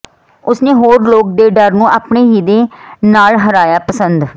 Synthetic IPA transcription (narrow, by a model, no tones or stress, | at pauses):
ʊsneːɦoːɾloːk̚d̪eːɖəɾnũːʔaːpɳeːɦiːd̪eːnaːlɦəɾaːjaːpəsənd̪